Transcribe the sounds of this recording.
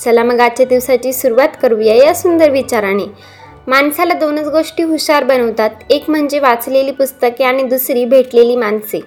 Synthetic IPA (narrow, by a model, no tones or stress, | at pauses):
səlaməɡat͡ɕjad̪iʋsat͡ɕiːsuɾuʋat̪kəɾuʋjaeasund̪əɾʋit͡ɕaɾañe | mansalad̪onət͡sɡoʂʈiːɦuɕaɾbənəʋt̪at̪ekm̤əɳd͡ʑeʋat͡sleliːpust̪əkeaɽ̃id̪usɾiːbʱeʈleliːmanse